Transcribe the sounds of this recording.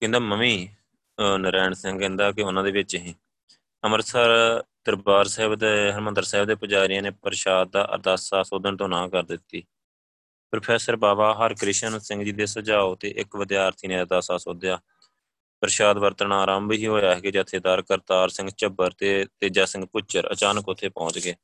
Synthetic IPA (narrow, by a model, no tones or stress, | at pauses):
kɛ̃nd̪aːməmiː | nəɾɛːɳsɪŋɡɛ̃ːnd̪aːkɪʊnãːd̪eːʋɪt͡ʃɦĩː | əməɾsəɾd̪̥əɾbaːɾsɛːɪbd̪ɦəɾmənd̪əɾsɛːɦɪbd̪eːpəd͡ʒaːɾɪjãːneːpəɾʃaːd̪̚d̪a̰ːʔə̰ɾd̪aːsaːsoːd̪ənt̪õːnãːkəɾd̪ɪt̪ːiː | pɾəpʰɛːsəɾbaːbaːɦəɾkɾɪʃənsɪ̃ŋɡd͡ʒiːd̪eːsəd͡ʒaːoːt̪eːʔɪkʋəd̪jaːəɾt̪ʰiːnẽːɾd̪aːsaːsoːd̪jaː | pəɾɪʃaːd̪ʋəɾt̪ənaːɾãːmbiɦiːɦoːjaːɦɛːɡeːd͡ʒət̪ʰːeːd̪aɾkəɾt̪aːɾsɪ̃ŋɡt͡ʃəbəɾt̪eːt̪eːd͡ʒaːsɪ̃ŋɡpʊt͡ʃəɾə̰t͡ʃaːnəkʊt̪ʰːeːpɔ̃ːt͡ʃɡeː